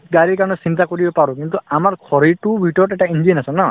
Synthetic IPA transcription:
ɡaɹikanɔsintakoɹibɔpaɹɔkint̪uamaɹkʰɔɹitubʱiʈɔɹɔtɛʈaind͡ʒinasɔnɔ

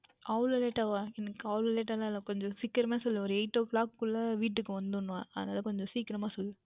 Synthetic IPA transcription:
ʔɐʊlɐleːʈaːʋãːɛnɐkːɯɐʋlɐleːʈaːlãɪlːɐkɔɲd͡ʒɔ̃sɪkːɪɾɐmaːsɔlːɯ̃ɔɾɯɛɪʈːoklaːkkʊɭːɐʋiːʈ̬ːɯkːɯʋɐnd̪ɯʊnːʋãːɐðɐnaːðɐkɔɲd͡ʒɔ̃siːkɪɾɐmaːsɔlːɯ̃

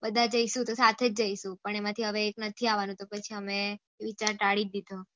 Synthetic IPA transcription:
bəd̪ʱad͡ʒəiʃũt̪osat̪ʰed͡ʒd͡ʒəiʃũpəɳemãt̪ʰiɦəʋeːknət̪ʰiaʋanũt̪opət͡ʃʰiəme | ʋit͡ʃaɾʈaɽid̪id̪ʱo

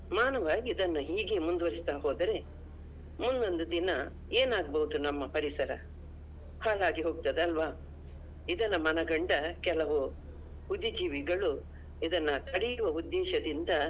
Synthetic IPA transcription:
maːnɐʋaːɡiːd̪ɐnːuɦiːɡe̞mund̪uʋɐɾist̪aːɦoːd̪ɐɾe̞ | mund̪o̞nd̪ud̪inɐ | eːnaːɡ̚bɐɦud̪unɐmːɐpɐɾisɐɾɐ | haːɭaːɡiɦo̞ːɡ̚t̪ɐd̪eɐlʋaː | id̪ɐnɐmɐnɐɡɐɳɖɐkɛlɐʋu | hud̪id͡ʒiːʋiɡɐɭu | id̪ɐnːɐt̪ʰɐɽijuʋɐud̪ːɛːʃɐd̪ind̪ɐ

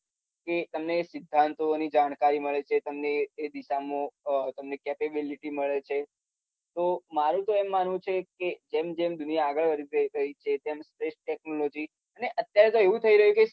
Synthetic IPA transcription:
ket̪əmneːsɪd̪ʱːant̪onid͡ʒaɽ̃kaɾiməɭet͡ʃʰet̪əmneːd̪iʃamõt̪əmnekɛpebiliʈiməɭet͡ʃʰe | t̪omaɾũt̪oemːanʋũt͡ʃʰeked͡ʒemd͡ʒemd̪unijaːɡəɭʋəɾiɾəiɾəɦit͡ʃʰet̪emspɾeʃʈɛk̚nolod͡ʒi | əneʔət̪jaɾet̪oeʋũt̪ʰəiɾəɦjũke

